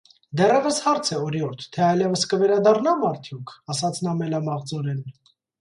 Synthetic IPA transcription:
d̪ɛrɛvəshɑɾt͡sʰɛɔɾiɔɾt̪ʰt̪ʰɛɑjlɛvəskəvɛɾɑd̪ɑrnɑmɑɾt̪ʰjukʰɑsɑt͡sʰnɑmɛlɑmɑʁd͡zɔɾɛn

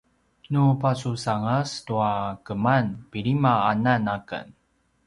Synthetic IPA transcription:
nupasusaŋəstuakəmanpiɾimaananakə̰n

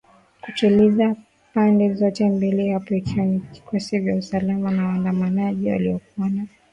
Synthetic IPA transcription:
kutiliza | pandɛzɔtɛmbilihapɔikiwanivikʰɔsivjausalamanawaːndamanaʄiwa̰liɔkuana

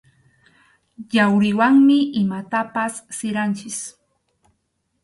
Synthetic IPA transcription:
ʎawɾɪwaŋmɪʔɪmat̪apasːɪɾant͡ʃɪs

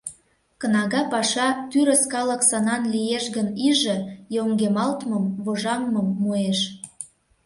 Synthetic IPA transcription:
kə̆nɑɣɑpɑʃɑt̪yɾə̆skɑlə̆ksɑnɑnlijeʃɣəniʒə̆joŋɡemɑlt̪məmβoʒɑŋməmːueʃ

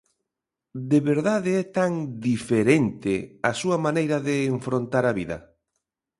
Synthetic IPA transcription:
d̪eβeɾðaðeɛt̪aŋd̪ifeɾent̪easuɐmanejɾɐðeːɱfɾont̪aɾɐβiðɐ̰

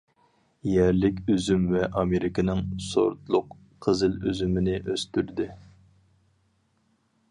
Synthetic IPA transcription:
jæɾlɪkʲyzymvɛʔɑmeɾɪkʲənɪŋso̰ɾt̪lˠʊq | qʰːəzɨlyzymɪnɪʔøst̪yɾd̪ɪ

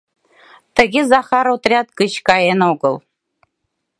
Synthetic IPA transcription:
t̪ɘ̆ɡʲezɑχɑɾot̪rʲɑt̪kɯt͡ɕkɑjenoɡɤ̆lˠ

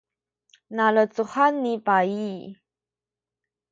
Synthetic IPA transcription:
nalət͡suhanːipai

